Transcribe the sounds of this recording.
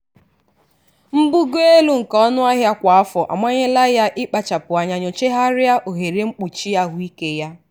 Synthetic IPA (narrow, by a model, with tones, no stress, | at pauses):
m̩˦bu˦ɡe˦lu˦ŋ̩˨kɔ˦nʊ˦a˦ɦja˦kʷa˨a˦fɔ˨ʔa̰˨mʷa˦ɲe˦la˦ja˦ʔɪ˦k͡pa˨t͡ʃa˨pʊ˨a˨ɲa˨ɲo˨t͡ʃe˦ɦa˦ɾɪ˦a˦ʔo˨ɦe˨ɾe˦ŋ͡m̩˦k͡pu˨t͡ʃi˦a˦ɦʊ˦i˦ke˦ja˦